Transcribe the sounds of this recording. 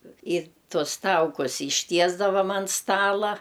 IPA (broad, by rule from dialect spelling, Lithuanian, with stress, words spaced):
ɪr ˈtuɔs ˈtɐʊkʊs ɪʃʲˈtʲiɛzdɐʋɐm ɐn ˈstɑːlˠɐ